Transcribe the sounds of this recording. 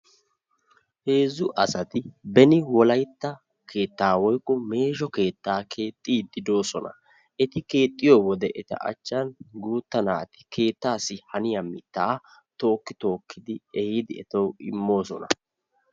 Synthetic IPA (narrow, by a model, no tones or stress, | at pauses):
he̞ːzʊʔɐsɐt̪ɪbɛnɪwɔlɐjt̪ːɐ | kʰe̞ːt̪ːaːwɔjkʼːɔme̞ːʒɔke̞ːt̪ːaːkʰe̞ːt̪ʼːiːd̪ɪd̪o̞ːsɔnɐ̰ | ɛt̪ɪke̞ːt̪ʼːɪjoːwɔd̪ɛʔɛt̪ɐ̰ʔɐ̰t͡ʃːɐnɡuːt̪ːɐnaːt̪ɪ̥kʰe̞ːt̪ːaːsːɪhɐnɪjɐmɪt̪ːaː | t̪o̞ːkːɪt̪o̞ːkːɪd̪ɪɛhid̪ɪɛt̪ɐwɪmːo̞ːsɔ̰nɐ